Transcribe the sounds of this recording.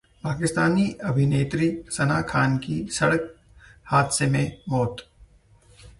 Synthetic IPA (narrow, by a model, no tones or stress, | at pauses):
paːkɪst̪aːniʔɐbʱɪneːt̪ɾisɐnaːkʰaːnkisɐɽək̚ | haːd̪semẽmɔːt̪